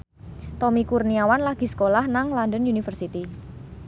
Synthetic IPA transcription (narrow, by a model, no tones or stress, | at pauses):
t̪ɔmikurniawanlaɡ̥i̤sə̥kolahnaŋlandənjunifərsit̪i